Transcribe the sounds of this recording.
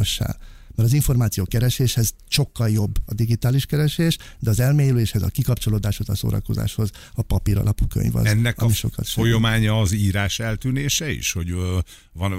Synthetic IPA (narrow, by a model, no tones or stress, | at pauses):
ɒʃːa̰ːl | mɛɾɒziɱfo̞rmaːt̪sijoːkɛɾɛʃeːʃhɛz̥ | ʃo̞kːɒljo̞bːɒd̪iɡit̪aːliʃkɛɾɛʃeːʃ | d̪ɛɒzɛlmeːjleːʃhɛzɒ̰kikɒpt͡ʃo̞loːd̪aːʃhozɒso̰ːɾɒ̰ko̞za̰ːʃho̞z | ɒpɒpiɾɒ̰lɒpukø̰ɲvɒ̰zɛnːɛkɒmiʃo̞̰kɒ̰t̪ʃojomaːɲɒːziːɾaːʃɛlt̪yːneːʃɛḭʃho̞ɟ | vɒn